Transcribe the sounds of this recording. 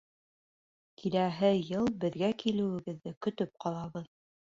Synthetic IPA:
kʰilæɦɘjɤlˠbɘ̆ðɡækilɘ̆wɘ̆ɡɘ̆ðːɘkɵ̆t̪ɵp̚qʰɑlˠɑβɤð

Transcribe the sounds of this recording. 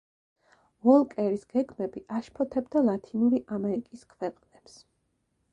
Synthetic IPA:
vɔlˠkʼɛɾisɡ̥ɛɡmɛbiʔaʃpʰɔt̪ʰɛbd̪alˠat̪ʰinuɾiʔamɛɾikʼiskʰwɛqʼnɛps

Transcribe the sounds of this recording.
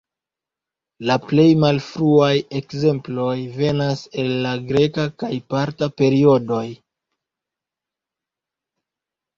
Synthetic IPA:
laple̞jmalfɾuaje̞kze̞mplo̞jve̞nase̞lːaɡɾe̞kakajpaɾtape̞ɾio̞do̞j

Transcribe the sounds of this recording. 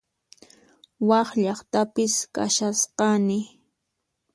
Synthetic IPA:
wɑχʎɑχt̪apɪska̰ʃasqɑnɪ

